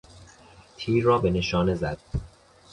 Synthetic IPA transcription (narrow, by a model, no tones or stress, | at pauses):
t̪ʰiːɾːɒːbe̞ne̞ʃɒːne̞zæd̪̥̚